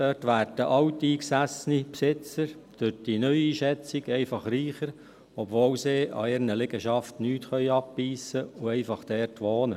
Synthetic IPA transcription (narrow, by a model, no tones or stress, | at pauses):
d̥øtʋæːɾd̥əʔɑwtiːksæsnipsɪt͡səɾd̥ødinœʏiːʃɛt͡siɡɛɪfɑχɾiːχəɾ | ɔbʋoːwseːʔɑ̰ɪɾnəlɪɡəʃɑftnyːtχœʏɑpːiːsəʊɛɪfɑχd̥ɛrtʋoːnə